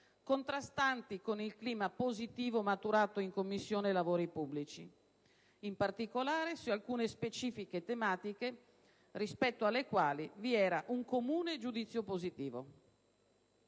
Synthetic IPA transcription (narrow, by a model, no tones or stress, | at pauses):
kont̪ɾast̪ant̪ikonilkliːmapozit̪iːvomat̪uɾaːt̪oiŋkomːisːjoːnelavoːɾipubːlit͡ʃi | impart̪ikolaːɾesualkuːnespet͡ʃiːfiket̪emaːt̪ike | rispɛt̪ːoalːekwaːliviɛːɾaʔuŋkomuːned͡ʒud̪it̪sːjopozit̪iːvo̰